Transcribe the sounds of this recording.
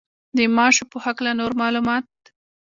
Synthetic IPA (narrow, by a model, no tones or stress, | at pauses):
d̪əmɑʃopəhaklanoɾmɑlumɑt̪̚